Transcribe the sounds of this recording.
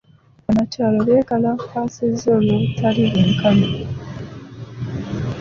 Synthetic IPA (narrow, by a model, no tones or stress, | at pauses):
anataːloleːkalapasezolutʰaliɾeŋkano